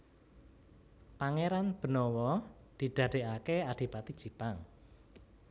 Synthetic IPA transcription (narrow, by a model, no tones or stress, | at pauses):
paŋeɾanb̥ə̤nɔwɔ | d̪̥i̤ɖ̪̥a̤ɖ̥e̤ʔakeaɖ̥i̤pat̪id̥ʒ̥i̤paŋ